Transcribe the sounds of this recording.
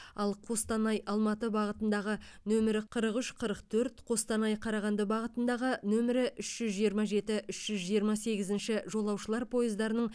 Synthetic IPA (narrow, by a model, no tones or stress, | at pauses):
ɑlˠqʰo̞st̪ɑnɑjʔɑlˠmɑt̪əbɑʁət̪ənd̪ɑʁənɵmɪɾɪqʰəɾəqʏʃqʰəɾəqt̪ʰɵɾt̪qʰo̞st̪ɑnɑjqʰɑɾɑʁɑnd̪əbɑʁət̪ənd̪ɑʁənɵmɪɾɪʔʏʃʒ̥ʏzʒijəɾmɑʒe̞t̪ɪʔʏʃʒ̥ʏzʒijəɾmɑse̞ɡʲɪzɪnʃɪʒo̞lˠɑwʃəlˠɑɾpʰo̞jəzd̪ɑɾənəɴ